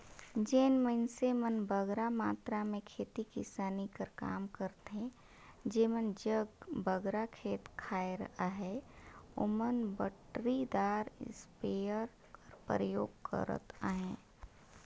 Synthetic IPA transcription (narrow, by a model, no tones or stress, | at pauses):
d͡ʒeːnmənsemənbəɡɾamaːt̪ɾamẽkʰeːt̪ikɪ̰saːnikəɾka̰ːmkəɾt̪ɦɦɛ̃ | d͡ʒeːmənd͡ʒəɡbəɡɾakʰeːt̪kʰaːeɾəɦaɦɛo̰mənbəʈɾid̪aːɾ̰speəɾ | kəɾpɾəjoːɡkə̰ɾə̰t̪a̰ɦɛ̃ː